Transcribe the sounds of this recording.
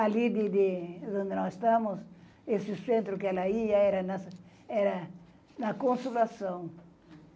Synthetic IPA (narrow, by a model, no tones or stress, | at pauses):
alid̪ɪd̪ɪd̪õnd̪ɪnɔsɪst̪ãmʊs | esɪsẽnt̪ɾʊkɛlaiaɛɾɐnas | ɛɾɐ | nɐkõnsulasɐ̃w̃